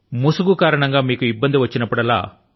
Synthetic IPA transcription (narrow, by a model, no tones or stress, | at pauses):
musuɡukaːɾɐɳɐŋɡaːmiːkuibːɐnd̪iʋɐt͡ʃːinɐpːuɽɐla̰ː